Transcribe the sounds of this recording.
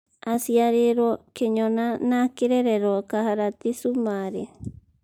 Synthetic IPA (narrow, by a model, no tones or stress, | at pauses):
asiaɾeɾokeɲonanakeɾeɾeɾokaɦaɾat̪isumaɾe